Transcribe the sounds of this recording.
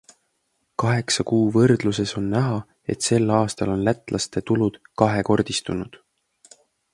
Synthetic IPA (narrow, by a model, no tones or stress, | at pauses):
kɑɦe̞ksɑkuːvɤrd̪̥luse̞so̞nːæɦɑ | e̞t̪se̞lɑːst̪ɑlo̞nlæt̪ːˑlʔɑst̪e̞t̪ulud̪̥kɑɦe̞ko̞rd̪̥ist̪unud̪̥